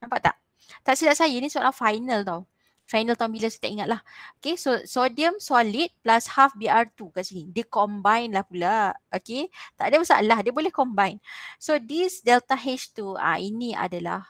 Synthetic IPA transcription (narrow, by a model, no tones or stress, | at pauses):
nampaʔt̪a̰ʔ | t̪aʔsilaʔsajainĩsuaʔlahfajnəlt̪au | fajnəlt̪awmbiləsat̪aʔiŋat̪̚lahokesosodiəmsɔlit̪̚plashafbiart̪ukaʔsinĩdiəkɔmbajnlahpulaoket̪a̰ʔdiəməsa̰ʔlahdiəbolɛhkɔmbajnsodisdɛlt̪aɦet͡ʃt̪ua̰inĩa̰dala̰h